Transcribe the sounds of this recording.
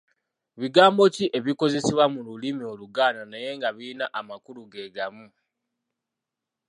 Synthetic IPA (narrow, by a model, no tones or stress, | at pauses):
βiɡaːmbo̞ciʔe̞βiko̞ze̞siβwamululimio̞luɡaːnanaje̞ŋɡaβiːnaʔamakuluɡe̞ːɡamu